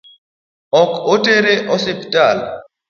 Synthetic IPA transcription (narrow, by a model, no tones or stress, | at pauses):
ɔkoteɾeʔɔseptal